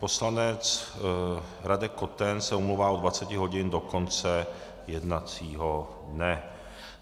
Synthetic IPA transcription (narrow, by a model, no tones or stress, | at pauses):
po̞slanɛt͡s | ɾadɛko̞t̪ɛnsɛumluwvaːodvat͡sɛcɪɦo̞ɟɪndo̞ko̞nt͡sɛ | jɛdnat͡siːɦo | dnɛ